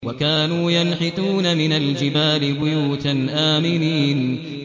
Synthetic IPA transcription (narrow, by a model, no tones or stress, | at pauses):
wakaːnuːjanħɪt̪uːnamɪnald͡ʒɪbaːlɪbʊjuːt̪anʔaːmɪniːn